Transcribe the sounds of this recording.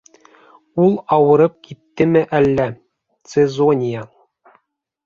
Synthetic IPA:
ulˠɑwɤ̆ɾɤp̚kit̪ːɘmɘʔælːæ | t̪sezonʲija

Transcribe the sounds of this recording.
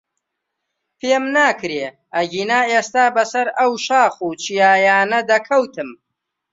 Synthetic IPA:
pʰeːmnaːkʰɾeː | ʔɐɡiːnaːeːst̪aːbɐsɐɾɐwʃaːχuːt͡ʃʰijaːjaːnɐd̪ɐkʰɐwt̪ʰɨm

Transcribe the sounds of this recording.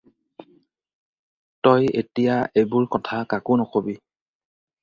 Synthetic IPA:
tɔjḛtijaʔebʊɹkɔtʰakakʊnɔkobi

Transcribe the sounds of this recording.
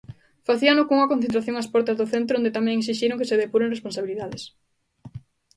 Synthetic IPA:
faθiɐnokoŋɐkõn̟θent̪ɾaθjõŋɐspɔɾt̪ɐzðoθent̪ɾoõnd̪et̪amɛ̃ŋesiʃiɾoŋkeseðepuɾẽŋrespõnsaβiliðaðes

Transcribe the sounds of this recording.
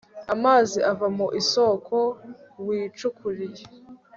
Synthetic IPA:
amaːziʔavamoʔiso̞ːkʰo̞wiːt͡ʃukuɾije

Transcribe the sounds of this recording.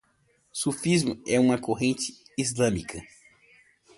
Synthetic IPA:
sufizmʊɛũmɐkoɦẽnt͡ʃɪ̥izlɐ̃mikʰɐ

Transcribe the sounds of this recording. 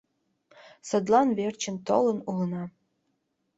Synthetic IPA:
sə̆d̪lɑnβert͡ɕə̆nt̪o̰lə̆nulənɑ

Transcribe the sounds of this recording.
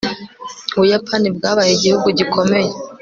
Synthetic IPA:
uβujapʰanibɡaːβajeɟihuɡuɟikʰo̞me̞je

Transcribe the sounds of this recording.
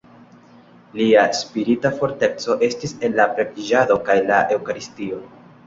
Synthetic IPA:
liaspiɾitafo̞ɾte̞k̚t͡so̞ʔe̞stise̞nlapɾekid͡ʒado̞kajlaʔe̞wkaɾistio̞

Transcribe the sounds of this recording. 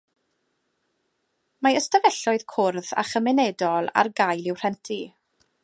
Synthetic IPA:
maəstəvɛɬɔɨð̥kʰʊrða̰χəmɪnɛdɔlˠa̰rɡajlˠɪwr̥ɛntʰi

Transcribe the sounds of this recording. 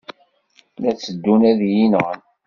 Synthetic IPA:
næt͡sːəd̪ːunæðjinʁən

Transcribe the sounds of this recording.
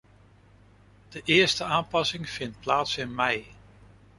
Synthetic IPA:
d̥əʔɪːɹstəaːmpɑsɪŋv̥ɪnt̚plaːtsɪnmɛj

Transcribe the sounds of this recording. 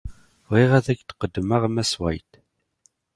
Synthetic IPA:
ʁiʁæðækt̪qəd̪ːməʁmæswæjt̪

